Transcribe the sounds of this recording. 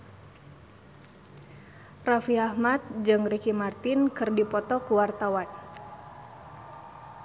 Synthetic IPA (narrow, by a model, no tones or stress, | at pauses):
rafiahmat̪̚d͡ʒɨŋrikimart̪ɪnkɨrdipɔt̪ɔkuwart̪awan